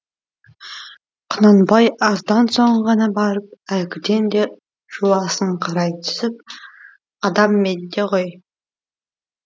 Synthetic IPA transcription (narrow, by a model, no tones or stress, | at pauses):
qʰʊnɑnbɑjɑzd̪ɑnsoɴʁɑnɑbɑɾəp̚ælkʲɪd̪e̞nd̪e̞ | ʒ̥ulˠɑsəɴqʰɑɾɑjt̪ʰʏ̥sɪp̚ | ɑd̪ɑmːed̪e̞qoj